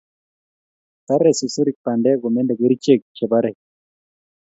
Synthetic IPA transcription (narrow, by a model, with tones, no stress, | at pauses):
t̪a˦ɾɛ˨si˨so˦ɾi˨k̚pa˨ndɛ˦ɡɔ˨mɛ˦nde˨ɡe˦ɾi˦t͡ʃe˦˨k̚t͡ʃɛ˨ba˦ɾɛ˨